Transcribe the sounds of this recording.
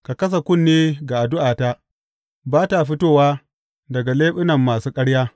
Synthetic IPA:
ka˨kɐ˦s̬a˨kʷʊ˦˨nːeː˦ɡa˨ʔa˨dʊ˦ʔaː˨ta˦ | baː˦ta˨ɸɪ˦toː˦˨waː˦ | dɐ˨ɡa˨leː˦ɸɪ˦nɐ˨mːaː˨suː˦kʼɐ˦ɽjaː˦

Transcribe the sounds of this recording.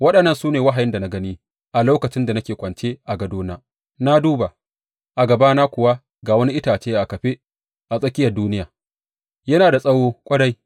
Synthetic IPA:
wɐ˦ɗɐ˨nːɐ˦˨nsuː˦neː˨wɐ˦ɦa˨jɪ˦nda˨na˦ɡɐ˦niː˦ | ʔa˨loː˦kɐ˨t͡ʃɪ˦nda˨nɐ˦kʲeː˨kʷʼɐ˨nt͡ʃeː˦ʔa˨ɡɐ˨doː˦naː˦ | na˦duː˦ba˨ | ʔa˨ɡɐ˨baː˦naː˦kʷʊ˨wa˦ | ɡaː˨wɐ˦ni˦ʔɪ˦taː˨t͡ʃeː˦jʔa˨kɐ˨ɸe˦ | ʔa˨sʼɐ˦kʲʼɪ˦jɐ˨rduː˦nɪ˦jaː˨ | jɐ˦naː˨da˨sʼɐ˦woː˦kʷʼɐ˦ɽa˦j

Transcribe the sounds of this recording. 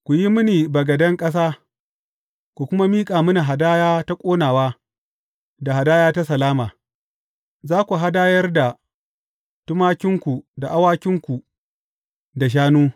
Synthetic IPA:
kʷu˨ji˦mʊ˦niː˨bɐ˨ɡɐ˨dɐ˦ŋkʼɐ˦s̬aː˦ | kʷu˨kʷʊ˦ma˦miː˦kʼaː˨mʊ˦na˨ɦa˨daː˦jaː˦ta˦kʷʼoː˦naː˨waː˦ | da˨ɦa˨daː˦jaː˦ta˦sɐ˨laː˦maː˨ | zaː˦kʷu˨ɦa˦daː˦jɐ˦rda˨ | tʊ˦maː˦kʲɪ˦ŋkʷu˨da˨ʔa˦waː˦kʲɪ˦ŋkʷu˨ | da˨ʃ̬aː˦nuː˦

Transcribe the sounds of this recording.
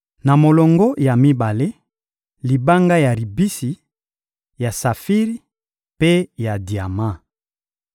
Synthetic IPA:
na˨mo˨lɔ˨ŋɡɔ˦ja˨mi˦ba˨le˦ | li˨ba˦ŋɡa˦ja˨li˨bi˦si˨ | ja˨sa˨fi˦ʁi˦ | pe˦ja˨di˨a˨ma˦˨

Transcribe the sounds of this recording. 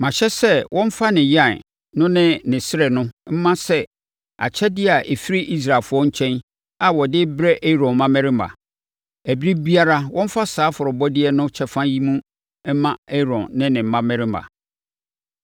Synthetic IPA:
mã˨ɕɛ˦sɛ˦wʔɔ̃˦m̩˦fa˦nɪ̃˨jã˦˨n | nʊ̃˦nɪ̃˦nɪ̃˨sɪ˦ɾɛ˨nʊ̃˦m̩˦mã˦sɛ˦ | a̰˨t͡ɕʰɛ˦dɪ˦a˨ʔe˨fi˦ɾi˦ʔi˦s̬ɾa˨fʊ˦ɔ˦ɲ̩˦t͡ɕʰɛ̃˦n | a˨wɔ˨dɪ˦bɾɛ˦ʔe˦ɾɔ̃˨mã˦mɛ̃˦ɾɪ˦ma̰˨ | æ˨bi˦ɾi˦bi˦a˦ɾa˦wʔɔ̃˦m̩˦fa˦saː˨˦fʊ˨ɾʊ˨bɔ˦dɪ˦ɛ˦nʊ̃˦t͡ɕʰɛ˨fã˦ji˦mũ˦ | ɛ˦mã˦e˦˨ɾɔ̃˨nːɪ̃˦nɪ̃˨m̩˨˦mã˦mɛ̃˦ɾɪ˦ma̰˨

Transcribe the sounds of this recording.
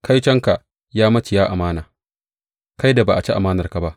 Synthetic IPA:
kʰa˦jt͡ʃɐ˦ŋka˨ | jaː˦mɐ˦t͡ʃɪ˨jaː˦ʔa˨maː˦naː˨ | ka˦jda˨baː˨ʔa˨t͡ʃi˦ʔa˨maː˦nɐ˨rka˨ba˦ʔ

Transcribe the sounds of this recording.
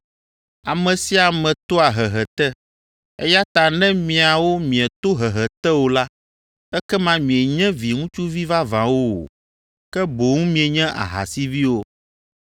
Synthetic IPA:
a˨mɛ̃˨si˦a˨mɛ̃˨t̪o˦a˨ɦɛ˨ɦɛ˨t̪ɛ˦ | ɛ˦ja˦t̪a˨nɛ̃˦mĩ˨a˨wo˦mĩ˨ɛ˨t̪o˦ɦɛ˨ɦɛ˨t̪ɛ˦wo˨la˦ | ɛ˦kɛ˦mã˦mĩ˨ɛ˨ɲɛ̃˦vi˨ŋũ˦t͡ʃu˦vi˦va˦vã˨wo˦o̰˨ | kɛ˦bo˨ŋũ˦mĩ˨e˨ɲɛ̃˦ʔa̰˨ɦa̰˨si˦vi˦wo˦

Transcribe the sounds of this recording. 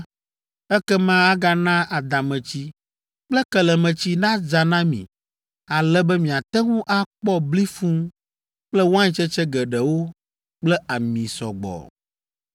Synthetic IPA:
ɛ˦kɛ˦mã˦a˦ɡa˦nã˦a˨d̪a˨mɛ̃˨t͡ɕi˦ | k͡plɛ˦kɛ˨lɛ˨mɛ̃˨t͡ɕi˦nã˦d͡za˨nã˦mḭ̃˨ | a˨lɛ˦bɛ˦mĩ˨a˨t̪ɛ˦ŋũ˦ʔa˦k͡pɔ˦bli˦fũ˦ | k͡plɛ˦wo˦ã˦ɲĩ˦t͡ʃɛ˦t͡ʃɛ˦ɡɛ˨ɖɛ˨wo˦ | k͡plɛ˦a˨mĩ˨sɔ̰˨ɡ͡bɔ̰˨

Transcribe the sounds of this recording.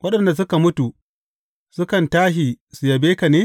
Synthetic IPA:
wʔɐ˦ɗɐ˨nda˨s̬ʊ˦ka˨mʊ˦tu˨ | sʊ˦kɐ˨ntaː˦ʃi˨su˨jɐ˨beː˦ka˨neː˦

